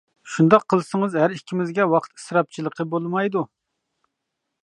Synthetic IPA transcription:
ʃund̪ɑqʰːəlˠɨsɨŋəzɦæɾikʲʰːimɪzɡʲɛwɑqʰə̥t̪i̥sɾɑp̚t͡ʃʰilˠəqʰəbolˠmɑjd̪u

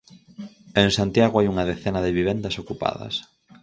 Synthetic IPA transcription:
eŋsant̪jaɣoajuŋɐðeθenɐðɪβiβɛnd̪ɐsokupa̰ðɐ̰s

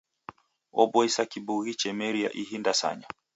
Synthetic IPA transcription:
ɔbɔisakibuɣit͡ʃɛmɛɾia̰ʔiɦindasa̰ɲa

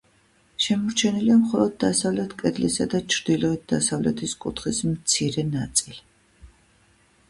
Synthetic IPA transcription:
ʃɛmɔɾt͡ʃʰɛniliamχɔlˠɔd̪̚ːasavlɛt̪ʰkʼɛd̪lisad̪at͡ʃʰɾd̪̥ilɔit̪̚d̪asavlɛ̰t̪ʰiskʼṵt̪ʰχismt̪sʰiɾɛnat̪sʼili

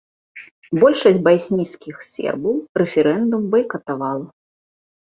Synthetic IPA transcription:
bɔlʲʂɐsʲbajsʲnʲiskʲixsʲɛ̰rbɐwɾɛfʲɛɾɛnd̪umbɨjkɐt̪avalˠɐ

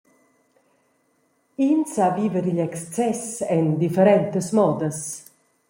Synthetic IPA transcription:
insaviːvəɾiʎɛkst͡sɛsɛnd̪ifeɾɛnt̪əsmɔːd̪əs

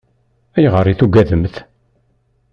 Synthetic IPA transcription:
æjʁəɾˤːiθuɡæðəmθ

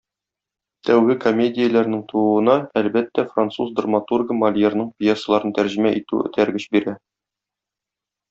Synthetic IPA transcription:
t̪ʰæwɡɘko̞mʲedʲɪjəlæɾnɘŋt̪ʰuuɤ̆nɑælbæt̪ːæfrant̪suzd̪ramat̪urɡəmɐlʲjernɤɴpʲjesːəlˠɑɾɤnt̪æɾʑĭmæʔit̪ʉ̰ɘ̰t̪ʰæɾɡɘɕbiɾæ

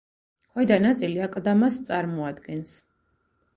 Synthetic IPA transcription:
kʰwɛd̪anat̪sʼiliakʼd̪amast̪sʼaɾmɔad̪ɡɛns

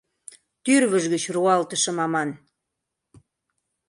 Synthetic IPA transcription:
t̪yɾβəʒɣət͡ɕruɑlt̪ə̆ʃɤ̆mɑmɑn

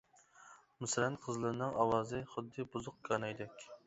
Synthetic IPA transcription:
musɾɛnqʰəzlˠɨɾɨnɨŋʔɑwɑːzɨχʊd̪ːɨbuzʊq̚kʰɑnjd̪ɛkʲ

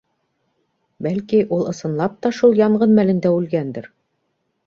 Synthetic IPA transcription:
bælkiʔulˠɤ̆sɤ̆nlˠɑp̚t̪ɑʃulˠjɑɴɢɤnmælɘ̆nd̪æʉlɡænd̪ɘɾ

